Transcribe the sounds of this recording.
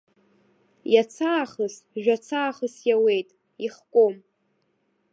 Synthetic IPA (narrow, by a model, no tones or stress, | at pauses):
jat͡sʰaːχəsʒᶣat͡sʰaːχəsjawe̞jtʼ | iχkʷʼom